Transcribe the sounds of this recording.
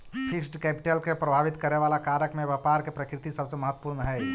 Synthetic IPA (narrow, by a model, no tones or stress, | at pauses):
pʰɪksʈkɛːpɪ̥ʈelkepɾəbʱaːʋɪt̪kəɾeʋaːlakaːɾəkmẽʋɛpaːɾkepɾəkɾɪt̪isəbseməɦət̪wə̥puːɾnəɦɛː